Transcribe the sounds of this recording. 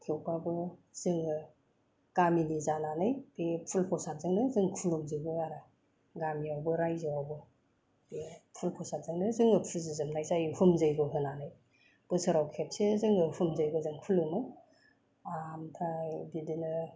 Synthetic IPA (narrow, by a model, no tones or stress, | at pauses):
kʰewbabɯz̥ɯŋɯ | kaminizananɯjbepʰulpʰɔsat̚zɯŋnɯzɯŋkʰulɯmzɯjɡɯaɾa | ɡamiawbɯɾajzɯawbɯ | bepʰulpʰɔsatzɯŋnɯzɯŋɯpʰulzɯzɯmnajzajhumzɯjɡɯɦɯnanɯj | b̥ɯsɯɾawkʰep̚sezɯŋɯhumzɯjɡɯzɯŋkʰulɯmɯ | amtʰabidinɯ